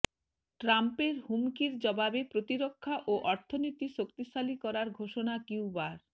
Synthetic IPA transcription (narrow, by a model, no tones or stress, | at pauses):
ʈɾampeɾɦumkiɾd͡ʑɔbabepɾot̪iɾokʰːaʔoʔɔɾt̪ʰonit̪iʃokt̪isalikɔɾaɾɡʱoʃonakiwbaɾ